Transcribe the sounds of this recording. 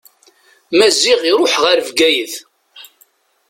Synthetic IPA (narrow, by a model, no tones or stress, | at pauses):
mæzːiʁiɾˤoħʁaɾəvɡæjəθ